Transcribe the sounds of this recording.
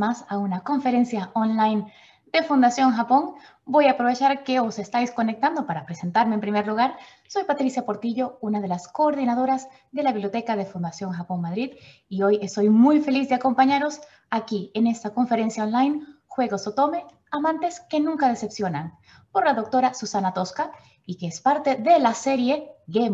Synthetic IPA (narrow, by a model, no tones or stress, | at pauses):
masaunako̞ɱfe̞ɾe̞nsjaonlajn | d̪e̞fund̪asjo̞ŋxapo̞ŋ | bo̞japɾo̞βet͡ʃaɾke̞o̞se̞st̪ajsko̞nek̚t̪and̪o̞paɾapɾe̞se̞nt̪aɾmeːmpɾime̞ɾluɣaɾ | so̞jpat̪ɾisjapo̞ɾt̪iʝo̞unaðe̞lasko̞ːɾðinaðo̞ɾaz | ðe̞laβiβljot̪e̞kaðe̞fund̪asjo̞ŋxapo̞ŋmaðɾið | io̞je̞st̪o̞jmujfe̞lizd̪eako̞mpaɲaɾo̞s | akiene̞st̪ako̞ɱfe̞ɾe̞nsjaonlajn | xwe̞ɣo̞sot̪o̞me | amãnt̪e̞ske̞nũŋkað̞e̞se̞psjo̞naŋ | po̞ɾlaðo̞k̚t̪o̞ɾasusanat̪o̞ska | ikeespaɾt̪e̞ðe̞lase̞ɾje̞ɣe